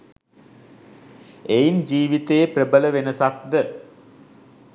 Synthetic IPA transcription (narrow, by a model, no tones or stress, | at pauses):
ejnd͡ʑiːʋit̪eːprəbələʋenɐsak̚d̪ə